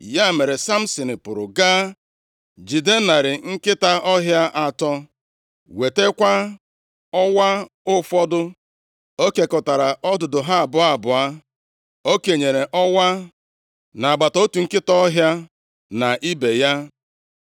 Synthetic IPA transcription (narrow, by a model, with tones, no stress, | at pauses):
ja˦˨me˨ɾe˨sa˦m̩˦si˨nɪ˨pʊ˨ɾʊ̰˨ɡa˦ | d͡ʒi˨de˦na˨ɾɪ˨ŋ̩˦kɪ˦ta˦ʔɔ˦ɦja˦ʔa˦tɔ˦ | we˨te˦kʷa˦ | ɔ˦wa˦ | ʊ˦fɔ˦dʊ˦ | o˦ke˨kɔ˨ta˨ɾa˨ʔɔ˦dʊ˨dʊ˨ɦa˦a˨bʊ˨a˨bʊ˨a˦ | o˦ke˨ɲe˨ɾe˨ʔɔ˦wa˦ | na˨a˨ba˨to˦tu˨ŋ̩˦kɪ˦tɔ˦ɔ˦ɦja˦ | na˨ʔi˦be˨ja˦